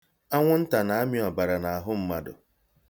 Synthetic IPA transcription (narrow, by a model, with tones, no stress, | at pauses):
a˦ŋʷʊ˦n̩˦ta˨na˨a˦mja˨ba˨ɾa˨na˨a˨ɦʊ˦m̩˦ma˦dʊ̰˨